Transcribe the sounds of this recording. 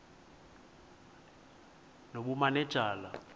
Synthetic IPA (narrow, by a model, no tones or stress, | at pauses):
noɓumanɛ̥ʒ̥ʱʼaːla